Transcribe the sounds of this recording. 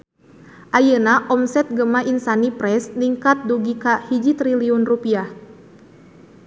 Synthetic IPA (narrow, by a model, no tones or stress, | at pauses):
ʔajənaʔɔmsɛt̪̚ɡəmaʔinsanipɾɛsniŋkat̪̚duɡikahid͡ʒit̪ɾiliunrupiah